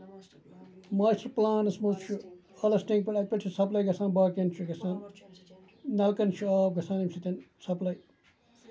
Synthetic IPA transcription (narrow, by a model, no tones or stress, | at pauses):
maːsʈɐɾplaːnɐsmut̪t͡ʃʰu | ɐlɐsʈẽːŋk̚peʈɐpʲeʈsʰisɐplɐjɡɐsaːnbaːkent͡ʃʰuɡɐsãːn | nɐlkɐnt͡ʃʰuaːb̚ɡɐsaːnimsit̪ɐnsɐplɐj